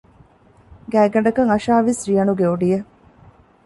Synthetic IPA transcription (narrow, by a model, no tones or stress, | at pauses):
ɡæːɡɐɳɖɐkɐŋɐʃaːʋisrijɐnuɡeoɖije